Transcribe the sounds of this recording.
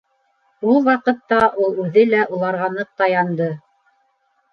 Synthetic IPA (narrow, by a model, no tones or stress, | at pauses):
ulˠwɑqɤ̆t̪ːɑʔulˠʉðɘlæʔulˠɑɾʁɑnɤq̚t̪ɑjɑnd̪ɤ